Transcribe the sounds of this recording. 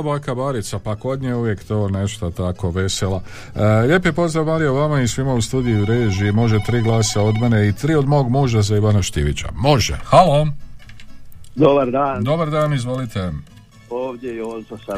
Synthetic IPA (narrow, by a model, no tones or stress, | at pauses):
obakabaːɾit̪sapako̞d̪ɲeuʋje̞kt̪o̞ːne̞ʃt̪at̪ako̞ʋe̞sela | ʎe̞pje̞po̞zd̪ɾaʋmaːɾijoʋamaisʋimaust̪uːd̪ijuɾeːʒimo̞ʒet̪ɾiːɡlaːsao̞d̪me̞ne̞it̪ɾiːod̪mo̞ːɡmuːʒazaiʋanaʃt̪ḭʋḭt͡ɕa̰mo̞ʒḛxalo̞ | d̪obaɾd̪aːnd̪o̞baɾd̪aːnizʋo̞lit̪e | oːʋdʲejonsas